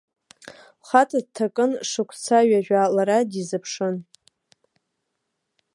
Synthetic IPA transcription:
χatʰʼad̚tʰakʼɨnʂɨkʷʰt͡sʰaɥaʒᶣalaɾadizɨpʰʂɨn

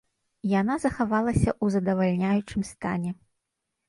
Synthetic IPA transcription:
janazɐxavalˠɐsʲɐ̰ʔuzɐd̪ɐvalʲnʲajut͡ʂɨmst̪anʲɛ

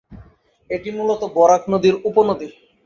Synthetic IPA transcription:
eʈimulot̪obɔɾaknod̪iɾuponod̪i

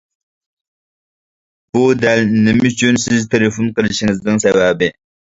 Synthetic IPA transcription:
b̥ud̪ælnɪmyt͡ʃʰynsɪzt̪ʰelefunqəlɪʃiŋɪzd̪ɨŋsawabɪ

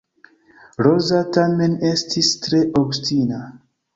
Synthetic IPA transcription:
ɾozatame̞ne̞stʰistɾe̞ʔobstina

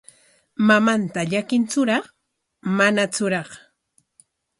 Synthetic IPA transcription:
mamant̪aʎakɪnt͡sʊɾɑχ | manat͡sʊɾɑχ

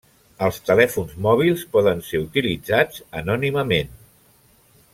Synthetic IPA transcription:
əlˠst̪əlɛfunzmɔβ̞ilˠspɔðənseut̪ilid͡zad͡zənɔniməmen

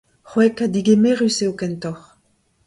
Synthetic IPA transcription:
χwɛkad̪iɡemeʁyseokɛnt̪ɔχ

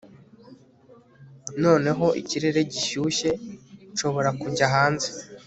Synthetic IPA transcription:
no̞ːne̞ɦo̞ʔḭciɾe̞ɾe̞ɟiʃuːʃe̞ʃo̞βo̞ɾakuɲɟaɦaːnze

